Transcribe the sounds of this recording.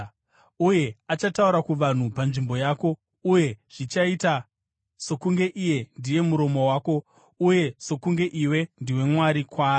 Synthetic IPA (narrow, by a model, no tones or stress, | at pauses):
uje̞at͡ʃatauɾakuʋan̤upanʐimbo̞jaːko̞ | uje̞ʐ̥it͡ʃaita | sokuŋɡe̞ʔije̞ndije̞muɾo̞mo̞waːko̞ | uje̞so̞kuŋɡe̞ʔiwe̞ndiwe̞mwaɾikwaː